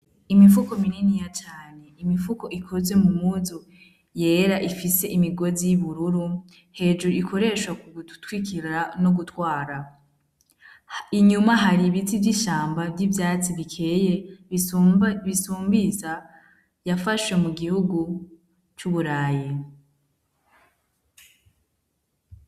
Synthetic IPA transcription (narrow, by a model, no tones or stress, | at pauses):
imifuko̞mininijat͡ʃaːne̞imifuko̞ʔikʰo̞zwe̞mumuzu | je̞ɾaʔifise̞ʔimiɡo̞zijiβuɾuɾu | he̞ːd͡ʒuɾuikʰo̞ɾe̞ʃwakuɡutu̥twikiɾanoɡutwaːɾa | iɲumaɦaɾiβit͡sivɟiʃaːmbavjivjaːt͡siβikʰe̞je | βisuːmbiza | jafaʃwe̞muɡihuɡu | t͡ʃuβuɾaːji